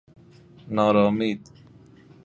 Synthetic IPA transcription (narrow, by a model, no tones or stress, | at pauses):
nɑːɾɔːmiːd̪